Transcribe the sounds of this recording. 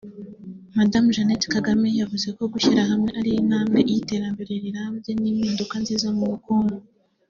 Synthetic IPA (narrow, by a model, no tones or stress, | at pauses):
madamʒanetkaɡamejavuze̞ko̞ɡuçiɾaɦamŋe̞ʔaɾijin̥haːmɡeʔjite̞ɾambiɾeɾiɾabjeniːmindukanziːzamuɾukuːŋɡo